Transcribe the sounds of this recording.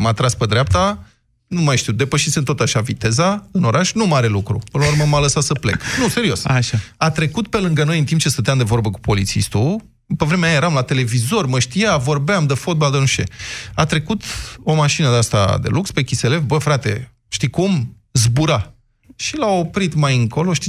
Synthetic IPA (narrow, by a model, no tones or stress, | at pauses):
mat̪ɾasped̪ɾeap̚t̪a | numajʃt̪iud̪e̞pəʃisemt̪o̞t̪aʃavit̪e̞zaɨno̞ɾʔaʃnumaɾe̞lukɾṵpɨnlauɾməmaləsasəple̞̰knuse̞ɾio̞saʃaat̪ɾe̞kut̪pe̞lɨŋɡəno̞jɨnt̪imp̚t͡ʃe̞st̪ət̪eamd̪evo̞rbəku̥po̞lit̪sḭst̪u | pevɾemeajajeɾamlat̪e̞le̞vizo̞rməʃt̪ijavo̞rbeamd̪efo̞t̪̚bald̪enuʃt̪e̞̰at̪ɾe̞kut̪o̞maʃinəd̪east̪a̰d̪e̞̰lukspe̞kʲise̞le̞vbəfɾat̪e̞̰ | ʃt̪ikum | zbuɾa | ʃilao̞pɾit̪majɨŋko̞lo̞ʃt̪i